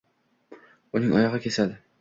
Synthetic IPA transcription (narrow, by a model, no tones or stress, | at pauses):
unɪŋʔɒ̰jɒʁɑkʲʰe̞sad̪ɪ